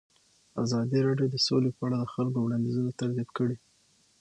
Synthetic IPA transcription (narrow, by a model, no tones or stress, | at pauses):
a̰zɑd̪iɾɑɖjod̪əsolepəaɽad̪əxalkowɽɑnd̪izunat̪aɾzjabkəɽi